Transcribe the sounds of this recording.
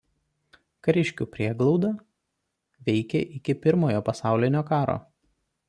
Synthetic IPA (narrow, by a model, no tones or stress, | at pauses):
kɐɾʲɪʃʲkʲuːpʲɾʲiɛɡlˠɒʊd̪ɐ | ʋʲɛɪkʲɛʔɪkʲɪpʲɪɾmoːjoːpɐsɑˑʊlʲɪnʲoːkɑːɾo̰ː